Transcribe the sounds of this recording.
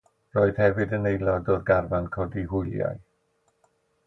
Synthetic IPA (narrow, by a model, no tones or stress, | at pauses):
roːɨð̥hɛvɨdənejlˠɔdɔrɡarvankʰɔdihʊjlˠja̰j